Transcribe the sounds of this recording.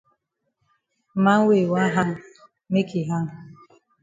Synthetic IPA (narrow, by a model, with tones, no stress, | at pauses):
ma˦ŋ̩˦we˦˨wa˦ɦa˦˨ | me˦kʰi˨ɦa˦ŋ˨